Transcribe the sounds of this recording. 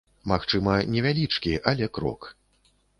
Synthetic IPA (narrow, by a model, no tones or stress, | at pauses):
maxt͡ʂɨmɐnʲɛvʲalʲit͡ʂkʲiʔalʲɛkɾɔ̰k